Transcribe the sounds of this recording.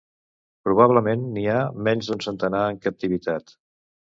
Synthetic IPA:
pɾuβ̞aβ̞ləmenːiamɛɲzðunsənt̪ənaəŋkəp̚t̪iβit̪at̪

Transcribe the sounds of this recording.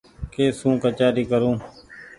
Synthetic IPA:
keːsũːkət͡ʃaːɾiːkəɾũː

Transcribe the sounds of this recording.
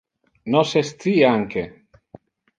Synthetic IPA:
nosest̪iaŋke

